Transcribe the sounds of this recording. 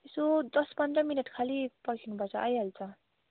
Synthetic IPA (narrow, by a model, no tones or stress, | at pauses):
esod̪ʌspʌnd̪rʌminʌʈkʰalipʌkʰinupʌt͡sʰʌʔajɦʌlt͡sʰʌ